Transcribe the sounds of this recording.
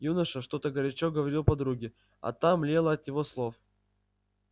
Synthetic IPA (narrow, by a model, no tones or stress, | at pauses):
junəʂəʂt̪o̞t̪əɡəɾʲɪt͡ɕoɡəvɐɾʲilˠpɐd̪ɾuɡʲɪ | ɐ̰t̪amlʲelˠəɐt̪jɪvo̞slˠo̞f